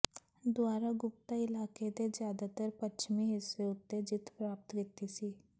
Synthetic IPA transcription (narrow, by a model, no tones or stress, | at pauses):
d̪ʊaːɾaɡʊp̚t̪aɪlaːked̪ezjaːd̪at̪əɾpət͡ʃmiɦɪsːeʊt̪ːed͡ʒɪt̪pɾaːp̚t̪kɪt̪ːisiː